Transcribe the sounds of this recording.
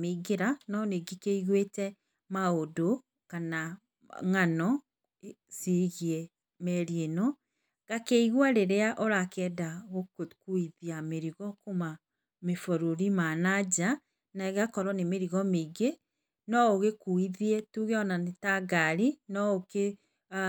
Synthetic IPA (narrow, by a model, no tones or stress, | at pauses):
meɡeɾanɔneɡekeiɣwetɛ | maodo | kana | ŋanɔ | seɣiɛ | mɛɾienɔ | ɣ̥akeiɣwaɾeɾeaʔoɾakɛːdaɣokkuiðiameɾiɣɔkoma | mefoɾoɾimanad͡ʒa | naeɣakɔɾɔnemeɾiɣɔmeɡe | nɔoɣekuiðiɛtuɣɛɔnanetaɡaɾinɔoke